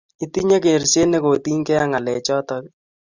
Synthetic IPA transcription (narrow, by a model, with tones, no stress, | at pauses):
i˦ti˦ɲa˦ke˨ɾse˦ne˦ko˨ti˦ŋkɛ˦a˦ŋa˨lɛ˨t͡ʃɔ˦tɔ˦k